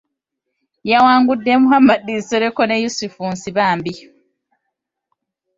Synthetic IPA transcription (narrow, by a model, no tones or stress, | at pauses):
jawaːŋɡudːemuhamadiseɾekonejusufuːnsiβaːmbi